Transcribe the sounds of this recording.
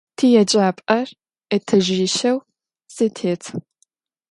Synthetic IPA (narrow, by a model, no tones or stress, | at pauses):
tʰijɛd͡ʒʼaːpʼɐr | ɐtʰɐʒɪʃɐw | sɨtʰeːtʰ